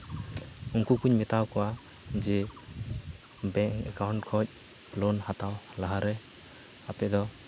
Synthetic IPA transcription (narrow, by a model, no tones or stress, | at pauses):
uŋkukuɲmɛt̪awkɔwa | d͡ʒɛ | bɛŋkɛ̰kawɳʈkʰɔc̚ | plɔnhat̪awlaɦaɾɛ | apɛd̪ɔ